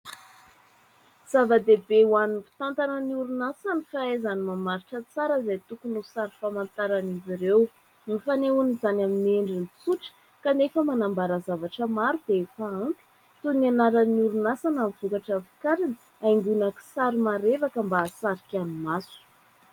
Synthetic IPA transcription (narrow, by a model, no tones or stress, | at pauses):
z̥avəd̪ebewanifi̥t̪ant̪anəniuɾunasanifaezanimamaɾiʈ͡ʂət͡saɾəzajt̪ukunusaɾifamant̪aɾaniziɾew | nifaneunizanamineɳɖ͡ʐint͡suʈ͡ʂə̥ | kanefəmanambaɾəzavaʈ͡ʂəmaɾud̪̥eefaamp̪i̥ | t̪unianaɾəniuɾunasanamvukaʈ͡ʂavi̥kaɾinə | ajŋɡunaki̥saɾimaɾevakəmbasaɾikʲanumasu̥